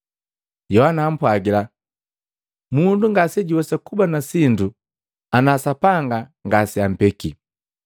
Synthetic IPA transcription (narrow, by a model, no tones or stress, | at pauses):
jɔhanaːm̩pwaɡila | munduŋɡasɛɟiwɛsakubanasindu | anasapaŋɡaŋɡasiam̩pɛki